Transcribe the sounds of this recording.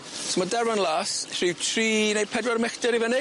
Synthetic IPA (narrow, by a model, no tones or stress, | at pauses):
smadɛɾvanlˠaːsr̥ɪwtʰriːnejpʰɛdwaɾmɛxtɛɾivənɪ